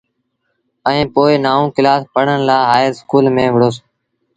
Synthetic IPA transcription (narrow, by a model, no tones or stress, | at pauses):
əĩːpoːɪnaːũːkɪlaːspəɽ̤ənlaːɦaːɾskuːlmẽːʋɪɽoːs